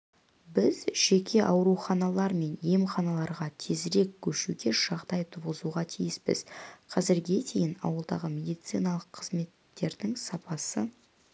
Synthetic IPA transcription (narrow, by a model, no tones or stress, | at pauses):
bɪzʒ̥e̞kʲʰe̞ʔɑwɾuχɑnɑlˠɑɾme̞njemχɑnɑlˠɑɾʁɑt̪ʰe̞zɾe̞kʲkʲʰːɵʃuɡʲe̞ʒɑʁd̪ɑjt̪ʰuʁəzuʁɑt̪ʰijɪspɪ̰zqʰɑzɪɾɡʲe̞t̪ʰe̞jɪnɑ̰wəlˠd̪ɑ̰ʁəme̞d̪ijt̪sinɑlˠəqʰːəzme̞t̪ːe̞ɾd̪ɪŋsɑpɑsə